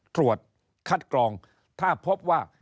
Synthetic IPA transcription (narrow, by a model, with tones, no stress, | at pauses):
t̪ɾu˨˩ət̪̚ | kʰa˦˥˩t̪̚klɔː˧ŋ | t̪ʰaː˥˩pʰo˦˥p̚waː˥˩